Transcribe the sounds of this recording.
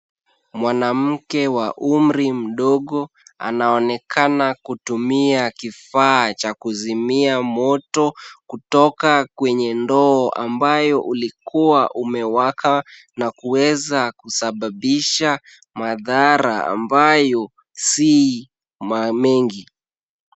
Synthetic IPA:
mwanam̩kɛwaʔum̩ɾim̩ɗɔɠɔ | a̰naɔnɛkʰanakutumiakifaːt͡ʃakuzimiamɔtɔkutɔkakwɛɲɛndɔːʔa̰mbajɔʔulikuwaʔumɛwakʰa | nakuwɛzakusaɓaɓiʃa | maðaɾaa̰mbajɔ | si | mamɛŋɡi

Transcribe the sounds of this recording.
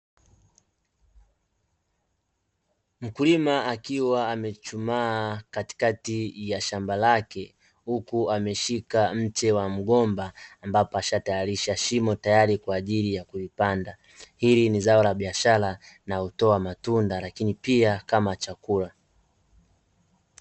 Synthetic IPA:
m̩kulimaakiwaːmɛt͡ʃumaːkati̥katijaʃambalakɛ | hukuamɛʃikam̩t͡ʃɛwam̩ɠɔmbaːmbapɔaʃatajaɾiʃaʃimɔtajaɾikwaːʄilijakulipanda | hilinizaɔlaɓiaʃalanautɔamatundalakinipiakamat͡ʃakula

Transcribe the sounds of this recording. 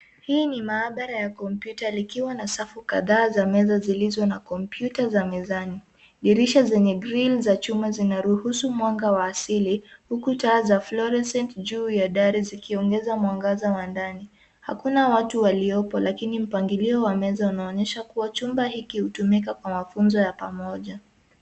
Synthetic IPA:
hiːnimaːɓaɾajakɔmpjutalikiwanasafuka̰ðaːzamɛzazilizɔnakɔmpjutazamɛzani | ɗiɾiʃazɛɲɛɡɾilzat͡ʃumbazinaɾuhusumwaŋɡawaːsilihukutaːzaflɔɾɛsɛntd͡ʒuːjaɗaɾizikiɔŋɡɛzamwaŋɡazawandani | ha̰kunawatuwaliɔpɔlʔakinim̩paŋɡiliɔwamɛzaunaɔɲɛʃakuwat͡ʃumbahikihutumikakwamafunzɔjapamɔʄa

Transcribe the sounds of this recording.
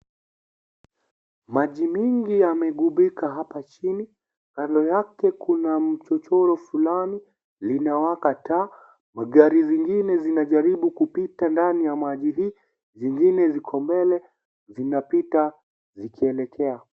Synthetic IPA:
maʄimiŋɡijamɛɠuɓikaɦapat͡ʃini | kandɔjakɛkunam̩t͡ʃɔt͡ʃɔɾɔfulani | linawakataː | maɠaɾiziŋɡinɛzinaʄaɾiɓukupitandanijamaʄili | ziŋɡinɛzikʰɔmbɛlɛ | zinapita | zikʰiɛlɛkʰɛa

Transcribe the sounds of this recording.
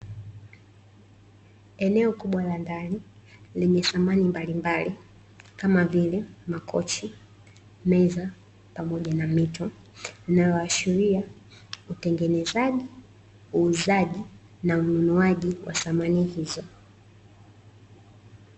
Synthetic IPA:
ɛnɛɔkuɓwalandaniliɲɛθamanimbalimbali | kamavilɛmakʰɔ̰t͡ʃi | mɛza | pamɔʄanamitɔ | linajɔaʃiɾia | utɛŋɡɛnɛzaʄi | uːzaʄi | naununuaʄiwʔa̰θamanihizɔ

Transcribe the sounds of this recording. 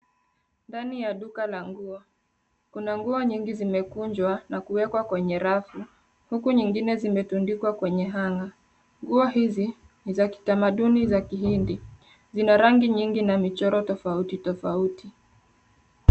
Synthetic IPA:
ndanijaɗukalaŋɡuɔ | kunaŋɡuɔɲiŋɡizimɛkuɲd͡ʒwanakuwɛkwakwɛɲɛɾafu | hukuɲiŋɡinɛzimɛtundikwakwɛɲɛɦaŋɡa | ŋɡuɔhizi | nizaki̥tamaɗunizakihindi | zinaɾaŋɡiɲiŋɡinamit͡ʃɔɾɔtɔfautitɔfauti

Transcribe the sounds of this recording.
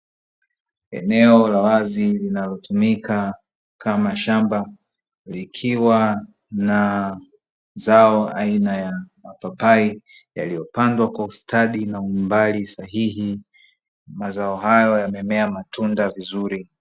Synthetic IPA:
ɛ̰nɛɔlawazilinalɔtʰumikʰa | kʰamaʃamba | likʰiwa | na | zaɔainajamapapai | ja̰lijɔpandwakwaustʰaɗinaumbalisaɦihi | mazaɔɦajɔjamɛmɛamatʰundavizuɾi

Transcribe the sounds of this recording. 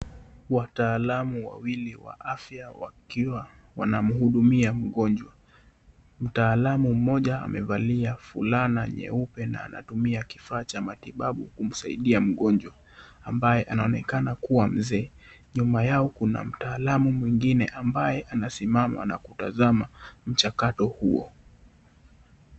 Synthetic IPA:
wataːlamuwa̰wiliwa̰ʔafjawa̰kiwa | wanam̩huɗumiam̩ɠɔnd͡ʒwa | m̩taːlamum̩mɔʄaa̰mʔɛvaliafṵlanaɲɛ̰upɛna̰ːnʔa̰tumiakifaːt͡ʃamatiɓaɓṵkum̩saḭɗiam̩ɠɔnd͡ʒwa | ambajɛʔanaɔnɛkanakuwam̩zɛː | ɲumajaɔkuna̰m̩taːlamumwiŋɡinɛʔambajɛʔanasimama̰na̰kuta̰zamam̩t͡ʃakatɔhuɔ̰

